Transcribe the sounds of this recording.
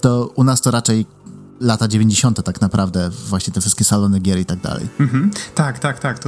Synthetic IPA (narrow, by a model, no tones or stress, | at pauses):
t̪ɔunast̪ɔɾat͡ʂɛj | lat̪ad͡ʑevʲeɲd͡ʑeɕɔnt̪ɛt̪aknapɾʔavd̪ɛvwaɕɲɛt̪ɛfʂɘst̪kʲɛsalɔnɘɡʲjɛɾit̪aɡ̚d̪a̰lɛ̰jm̩ɦm̩t̪akt̪akt̪akt̪